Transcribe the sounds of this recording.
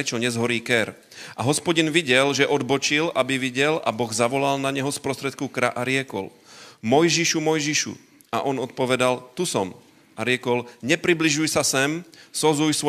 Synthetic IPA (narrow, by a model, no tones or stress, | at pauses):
ɛt͡ʃɔɲɛzɦɔɾiːkɛɾ | ʔaɦɔspɔɟinʋiɟɛlʒɛʔɔd̪bɔt͡ʃilʔabiʋiɟɛla̰bɔɣzaʋɔlalnaɲɛɦɔspɾɔst̪ɾɛt̪kukɾa̰ʔaɾɪɛkɔ̰l | mɔjʒiʃumɔjʒiʃṵ | aʔɔnɔt̪̚pɔʋɛd̪alt̪usɔm | aɾɪɛkɔlɲɛpɾibliʒujsasɛmsɔzujsʋɔ